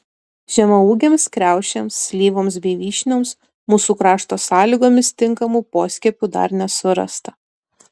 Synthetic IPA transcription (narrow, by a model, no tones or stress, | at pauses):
ʒʲɛmɐuːɡʲeːmskɾʲæˑʊʃʲɛmsːʲlʲiːʋoːms̬bʲɛɪʋʲiːʃʲnʲoːms | muːsuːkɾɑːʃt̪oːsɑːlʲiːɡoːmʲɪst̪ʲɪŋkɐmuːpoːsʲkʲɛpʲud̪ɐ̰ɾnʲɛsʊɾɐ̰st̪ɐ